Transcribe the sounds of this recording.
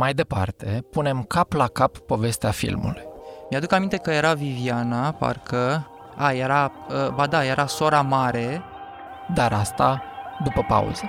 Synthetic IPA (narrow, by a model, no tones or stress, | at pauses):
majd̪e̞pa̰rt̪e̞pune̞mkaplakapːo̞ve̞st̪eafḭlmṵlujmjad̪ukanmint̪e̞kəje̞ɾavivianapa̰rkʰə | ajeɾaəbad̪aje̞ɾʔaso̞ɾamaɾe̞ | d̪aɾast̪ad̪upəpa̰ṵz̥ə